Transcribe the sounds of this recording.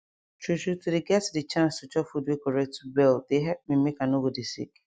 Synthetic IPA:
t͡ʃuʃutʰudeɡɛtdit͡ʃãnstut͡ʃɔfudwikɔɹɛk̚tubɛldeɦɛlp̚mĩmekanobodisḭk

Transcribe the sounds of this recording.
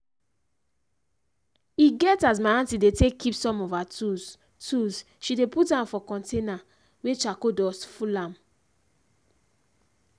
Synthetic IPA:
iɡɛtaz̬maãntidetekʰːipsɔ̃mɔfatuz | tuz | ʃideputãmfɔkɔ̃ntena | wet͡ʃakodɔsfulãm

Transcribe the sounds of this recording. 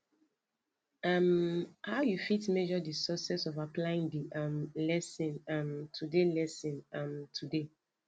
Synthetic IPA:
amhawjufitmɛd͡ʒɔdisɔsɛsɔvaplaĩŋdiʔamlɛsĩnamtʰudelɛsĩnãmtʰude

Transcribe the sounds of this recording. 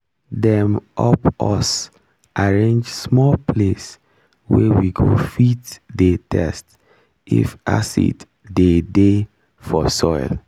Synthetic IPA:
dɛ̃mɔpɔs | ʔaɹẽnd͡ʒsmɔlpʰles | wewiɡofitdetʰɛst | ḭfa̰sḭd | dede | fɔsɔɪl

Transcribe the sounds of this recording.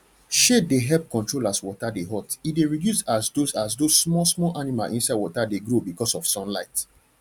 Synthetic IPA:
ʃedeɦɛlp̚kɔ̃ntɹolaswɔtadeɦɔtideɹidjusasdosasdosmɔsmɔlʔanima̰lʔĩnsaɪdwɔtadeɡɹobikɔsɔfsɔ̃nla̰ɪt

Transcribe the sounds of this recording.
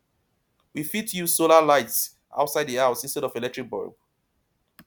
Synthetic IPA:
wifitʰju̥solalaɪts | ʔa̰ʊtsaɪdðiaʊsĩnstɛɾɔvelɛk̚tʰɹik̚bɔ̰ɹɡ

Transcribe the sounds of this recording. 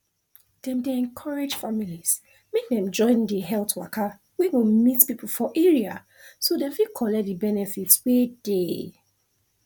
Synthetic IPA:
d̥ɛ̃mdeɛ̃nkʰɔɹed͡ʒfamilis | mek̚dɛ̃md͡ʒɔ̃ɪ̃ndiɦɛltwakʰa | wiwimitpipl̩fɔʔɛɹia̰ | sodɛ̃fikʰɔlɛk̚dibɛnɛfitswed̥e

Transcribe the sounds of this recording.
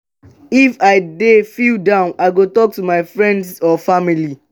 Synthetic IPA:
ifaɪdefildãʊ̃naɪɡotɔk̚tumaɪfɹɛ̃ndsɔfamili

